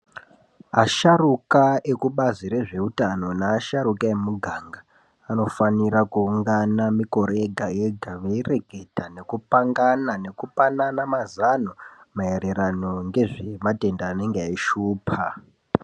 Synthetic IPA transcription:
aʃarukae̞kuɓaziɾe̞ʐe̞utano̞naːʃaɾukae̞muɡʱaŋɡaː | no̞fanirakuːŋɡanamiko̞ɾe̞ɡʱaje̞ɡʱaʋeire̞ɡʱe̞tane̞kupaŋɡanane̞kupananamazano | mae̞ɾe̞ɾano̞ŋɡe̞ʐemate̞ndaːne̞ŋɡeaiʃuːpʰa

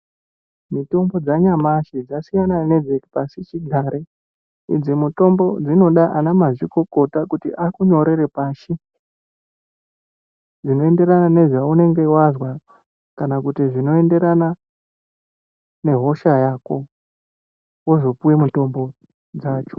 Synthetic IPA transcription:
mito̞mbo̞d͡zaɲamaʃid͡zasijanane̞d͡zeki̥pasit͡ʃiɡʱaɾe | ḭd͡zimuto̞mbo̞d͡zino̞ɗaʔanamaʐiko̞ko̞takutḭʔakuɲo̞ɾe̞ɾepaːʃi | d͡zino̞e̞nde̞ɾanane̞ʐaune̞ŋɡe̞wazwa | kanakutiʐino̞e̞nde̞ɾana | ne̞ɦo̞ʃajaːko̞ | wozo̞puwimuto̞mbo̞ | d͡zaːt͡ʃo̥

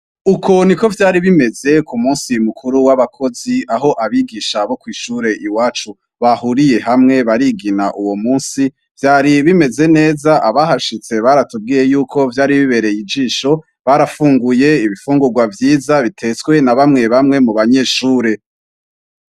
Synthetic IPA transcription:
ukʰo̞niko̞vjaːɾiβime̞ze̞kumuːnsimukʰuɾuwaβakʰo̞ziaɦo̞ʔaβiɡiʃaβo̞kwiːʃuɾe̞ʔiwaːt͡ʃu | βahuɾije̞hamŋe̞βaɾiɡinaʔuwo̞muːnsi | v̥jaːɾiβime̞ze̞ne̞ːzaʔaβahaʃit͡se̞βaːɾatub̚ɡiːje̞juːkʰo̞vjaːɾiβiβe̞ɾe̞jid͡ʒiːʃo̞ | βaɾafuːŋɡuje̞iβifuːŋɡuɾɡwavjiːzaβitʰe̞t͡swe̞naβamŋe̞βamŋe̞muβaɲe̞ːʃuːɾe̞

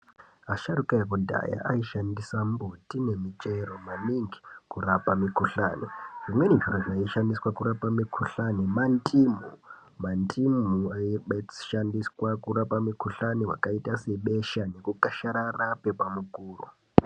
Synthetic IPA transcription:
aʃaɾukaekudʱa̰ja̰ʔaiʃandisambutine̞mit͡ʃʼeɾomaniŋɡi̥kurapamikuɬaːniʐimwe̞niʐiroʐaiʃandiswakuɾapamikʰuɬanimantʰʼimu | mantʰʼimuaiɓʃandiswakuɾapamikuɬaniwa̰kaitase̞ɓeʃane̞kukaʃaɾarape̞pamukuːrṵ

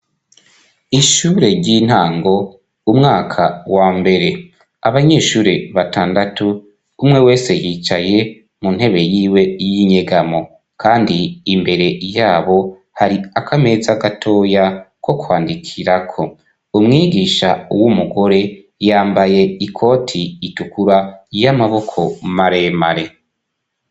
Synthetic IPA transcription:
iʃuːɾe̞ɾɟin̥haːŋɡo̞ | umŋaːkʰawaːmbe̞ɾe̞ | aβaɲeːʃuːɾe̞βataːndatuː | mŋe̞we̞ːse̞jiːt͡ʃaje̞ | mun̥he̞βe̞jiːwe̞jiɲe̞ɡamo̞ | kaːndiːmbe̞ɾe̞jaːβo̞ | haɾiakʰame̞zaɡatʰo̞jako̞kwaːndikʰiɾakʰo̞ | umŋiːɡiʃauwumuɡo̞ɾe̞ | jaːmbaje̞ikʰo̞ːtʰiːtukuɾajamaβo̞kʰo̞maɾe̞maɾe̞

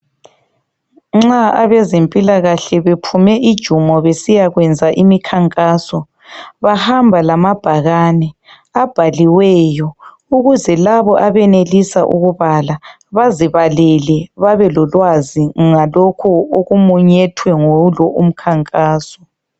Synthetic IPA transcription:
ŋ͡ǁaaβɛzempʼilaɣaɬɛβepʰumɛʔid̥ʒ̥ʱumɔβesijaɣwɛnd͡zʱaʔimikʰaŋkʼaːsɔ | βahambʱalamab̥ʱaɣanɛ | ab̥ʱaliwɛːjɔ | uɣuzɛlaβɔʔaβɛnelisaʔṵɣuβala | βaziβalɛlɛβaβɛlɔlwaziŋalɔkʰɔoɣumuɲɛtʰwɛŋolɔʔum̩kʰaŋkʼaːsɔ̥

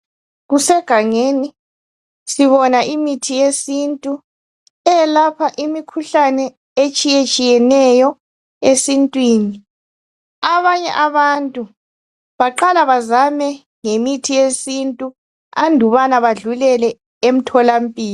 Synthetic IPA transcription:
ɣusɛɡ̥ʱaŋeni | siβɔnaʔimitʰijesintʼu | ɛlapʰaʔimikʰuɬanɛ | et͡ʃʼijet͡ʃʼijɛnɛjɔ | esintʼwiːni | aβaɲɛ̰ʔaβantʼu | βaǃalaβazamɛ | ŋemitʰijesintʼu | andʱuβanaβaɮulɛlɛ | em̩tʰɔlam̩pʼiːlɔ

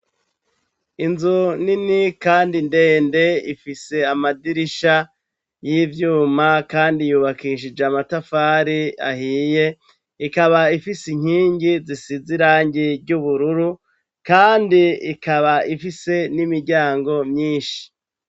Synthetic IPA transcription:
inzuninikaːndinde̞ːnde̞ḭfise̞amadiɾiʃa | jivjuːmakaːndijuːβakiʃ̬id͡ʒeamatafaːɾia̰hiːje̞ | ikaβaifisiɲ̥hiːɲɟizisiziɾaːɲɟiɾɟuβuɾuɾu | kaːndiikaβaʔifise̞nimiɾɟaːŋɡo̞mɲiːnʃi̥

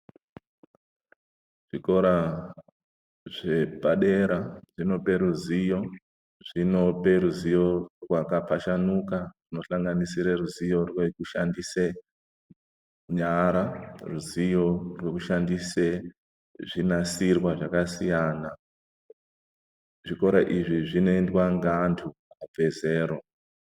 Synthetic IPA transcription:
ʐ̥iko̞ɾa | ʐe̞paɗe̞ɾaʐino̞pe̞ɾuzijo̞ | ʐ̥ino̞pe̞ɾuzijo̞rwakapaʃanukaʐ̥ino̞ɬaŋɡanisiɾeruzijo̞rwe̞kuʃandise | ɲaɾaruzijo̞rwe̞kuʃandise | ʐinasirwaʐakasijaːna | ʐiko̞ɾaʔiʐiʐinendwaŋɡantʰuabʱe̞ze̞ːɾo̞

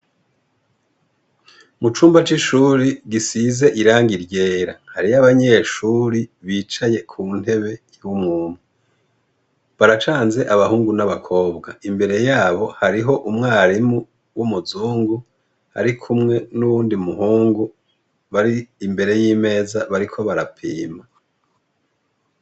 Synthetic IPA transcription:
mut͡ʃuːmbat͡ʃiʃuːɾiɡisize̞ʔiɾaːŋɡiɾje̞ːɾahaɾiaβaɲe̞ːʃuːɾiβiːt͡ʃaje̞kʰuːn̥e̞βe̞ | wumŋuːn̥hu | βaɾat͡ʃaːnze̞ʔaβahuːŋɡunaβakʰo̞ːbɡaimbe̞ɾe̞jaːβo̞haɾiɦo̞ʔumŋaːɾimu | wumuzuːŋɡu | ha̰ɾikʰumŋe̞nuβuːndimuhuːŋɡu | βaɾiːmbe̞ɾe̞jiːme̞ːzaβaɾikʰo̞βaɾapʰiːma

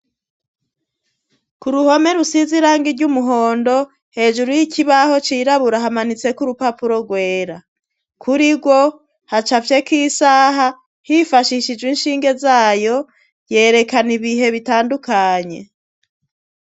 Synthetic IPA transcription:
kuɾuho̞me̞ɾusiziɾaːŋɡiɾɟumuɦo̞ːndo̞ | he̞ːd͡ʒuɾujicʰiβaho̞t͡ʃiːɾaβuɾaɦamanit͡se̞kuɾupapuɾo̞ɡwe̞ːɾa | kʰuɾiɡwo̞ | hat͡ʃafje̞kiːsaːɦa | hifaʃiʃid͡ʒwinʃiːŋɡe̞zaːjo̞ | je̞ːɾe̞kaniβiɦe̞βitaːndukaɲe̞

